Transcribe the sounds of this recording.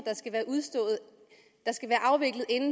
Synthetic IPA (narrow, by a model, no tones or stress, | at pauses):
d̥ɑ̈sɡ̥æʋæːɐʔuðˠsd̥ɔ̰̽ːð̩ˠ | d̥ɑ̈sɡ̥æʋæːɐʔɑ̈ʊʋe̝ɡ̥lð̩ˠe̝nn̩